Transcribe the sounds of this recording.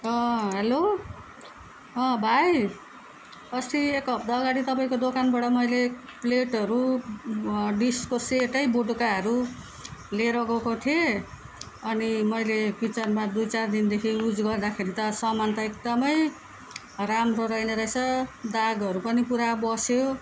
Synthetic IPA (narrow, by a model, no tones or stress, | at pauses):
ʌɦelo | ʌ̃bʱaj | ʌst̪iekʌb̚d̪aːɡaɽit̪ʌpaĩkod̪okanbaʈʌmʌjlepleʈʌɾu | ɖiskoseʈʌjboʈukaɦʌɾu | leɾʌɡʌkot̪ʰije | ʌnimʌjlepit͡sʌrmad̪ujt͡sard̪ind̪ekʰiud͡zɡʌrd̪akʰeɾit̪ʌsʌmant̪ʌek̚d̪ʌmʌj | ramrʌɾʌjnʌɾʌsʰʌd̪aɡʌɾupʌnipuɾabʌsjo